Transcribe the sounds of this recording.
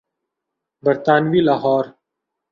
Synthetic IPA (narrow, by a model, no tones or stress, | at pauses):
bɐɾt̪aːnwiːlaːɦɔːɾ